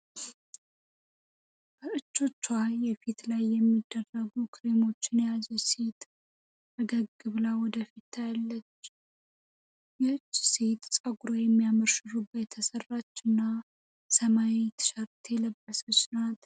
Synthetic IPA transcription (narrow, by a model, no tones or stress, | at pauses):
b̥əɨt͡ʃːo̞t͡ʃːajːɛfit̪lajːɛmːid̪ːərəɡukʰɨɾemo̞t͡ʃːɪnjɛjazɛset̪ | əɡəɡɨβlawɔd̪əfit̪ʰːajalːət͡ʃː | jɛɨt͡ʃːset̪sʼəɡuɾojɛmːijaməɾʃɨɾubət̪ʰəsərːat͡ʃːɨnːa | səmawet̪ʰɨ̥ʃaɾt̪ʰejɛləbːəsət͡ʃːnat̪